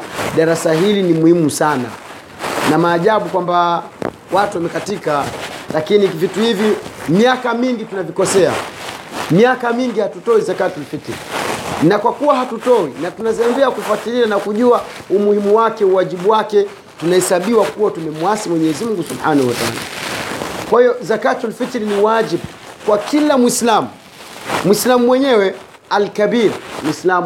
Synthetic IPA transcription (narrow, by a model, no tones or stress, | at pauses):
ɗaɾasaɦilinimuhimusana̰ | namaːʄaɓukwamba | watuwamɛkatikalakinivituhivimjakamiŋɡitunavikɔsɛa̰ | mjakamiŋɡihatutɔwizakatulifitianakwakuwahatutɔwinatunaziambiakufatilianakuʄuaumuhimuwakɛuwaʄiɓuwakɛ | tunahɛsaɓiwakuwatumɛmuwasimwɛɲɛɛzimm̩uŋɡusubħaːnahuwataa̰ːla̰ | kwahijɔzakatialfitɾiniwad͡ʒiɓ | kwakilamwislamu | mwislamumwɛɲɛwɛ | alkabiɾmwislam